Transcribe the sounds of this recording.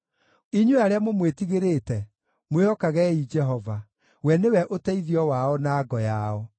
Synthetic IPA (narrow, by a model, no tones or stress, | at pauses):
iɲuaɾeamomwetiɣeɾetɛ | mweɔkaɣɛid͡ʒɛɦɔva | wɛnewɛʔotɛiðiɔwaɔnaːɡɔjaɔ